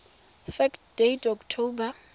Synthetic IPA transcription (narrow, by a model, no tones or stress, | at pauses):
fɛkd̥ejtʰʼɔktʰoːba